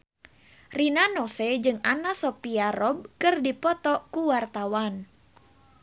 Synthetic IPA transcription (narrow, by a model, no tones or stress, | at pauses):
rinanɔsɛd͡ʒɨŋanasɔpiaɾɔb̚kɨrdipɔt̪ɔkuwart̪awan